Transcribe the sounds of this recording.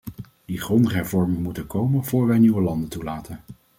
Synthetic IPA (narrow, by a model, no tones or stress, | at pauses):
d̥iχrɔndəχɦɛɹvɔɹmɪŋmutəkowmənv̥ʊːɹʋɛjniʋəlɑndəntulaːtʰən